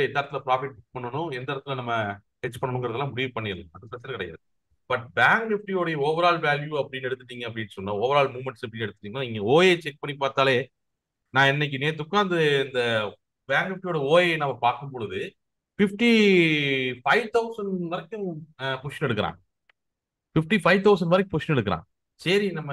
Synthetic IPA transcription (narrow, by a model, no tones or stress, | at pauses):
ɪt̪ːaːɾɐt̪ːɪlɐpɾaːfɪʈɪpɐɳːɐnʊ̃ɛnd̪aːɾɐt̪ːɪlɐnɐmːɐ | ɛt͡ʃpɐɳːɐɳɯ̃ŋɡɐɾɐðɐlːãːmʊɽɪʋɯpɐɳːɪɐlɐðɯpɾɐsɐɾkɪɽɐja̰ːð | b̥ɐʈ̚baːŋɡnɪfʈijoːɽɐjɐɔʋɐɾaːɭʋaːljuɐpːɐɽɪnːɛɽɯt̪ːɯʈ̪ːiːŋɡɐːp̬ːɐɽɪnːsɔnːãːɔʋɐɾaːɭmuːmɛɳʈsɐp̬ɐɽɪnːɛɽɯt̪ːɯʈ̪ːiːŋɐnaːɪŋɡɐoːjet͡ʃɛk̚pɐɳːipaːɾt̪aːleː | nãːɛnːɛk̬ːɯneːɾt̪ʊkːaːnd̪ɐɪnd̪ɐ | baːŋɡnɪfʈijoːɽɐoːjenɐmːɐpaːɾkɯmpɔɻɯðɯ | fɪfʈi | fɐɪʋt̪ɐʊsɐɳʋɐɾɐkːɯmpʊʂɐnɛɽɯkːɐɾã̰ː | fɪfʈifɐɪʋt̪ɐʊs̬ɐɳɖʋɐɾɐk̬ːɯ̃mpʊsʂɐnɛɽɯkːɐɾã̰ː | sɐɾinɐmːɐ